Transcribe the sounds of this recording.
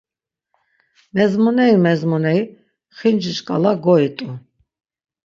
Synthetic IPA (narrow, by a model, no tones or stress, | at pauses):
mɛzmɔnɛimɛzmɔnɛi | χind͡ʒiʃkʼa̰laɡɔit̪ʼu